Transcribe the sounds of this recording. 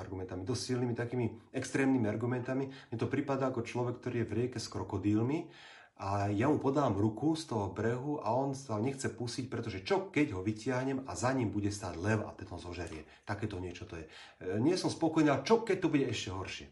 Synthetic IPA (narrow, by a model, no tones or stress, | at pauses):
aɾɡumɛnt̪amid̪ɔssilnimit̪akiːmiɛkst̪ɾɛːmnimiaɾɡumɛnt̪amimɲɛt̪ɔpɾipad̪aakɔt͡ʃlɔʋɛk̚ːt̪ɔɾiːjɛvɾɪɛkɛskɾɔkɔd̪iːlmi | ʔajamupɔd̪aːmɾukust̪ɔɦɔbɾɛɦuʔa̰ɔnsaɲɛxt͡sɛpusic̚pɾɛt̪ɔʒɛt͡ʃɔkɛɟɦɔʋicɪaɦɲɛmazaɲimbuɟɛst̪a̰ːɟlɛwa̰t̪ɛt̪ɔzɔʒɛɾɪɛ | t̪akɛːt̪ɔɲɪɛt͡ʃɔt̪ɔjɛ | ɲɪɛsɔmspɔkɔjniat͡ʃɔkːɛc̚t̪ɔbuɟɛɛʃcɛɦɔɾʃɪɛ